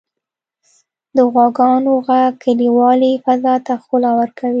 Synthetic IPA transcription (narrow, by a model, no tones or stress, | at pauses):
d̪əɣwɑɡɑnoɣakʰəliwɑlifazɑt̪axolawaɾkʰawi